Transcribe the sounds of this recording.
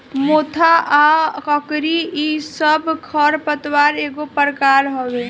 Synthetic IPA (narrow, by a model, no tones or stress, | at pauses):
mot̪ʰaakəkɾiisəbʱkʰəɾpət̪waɾeɡopəɾkaɾɦɔwe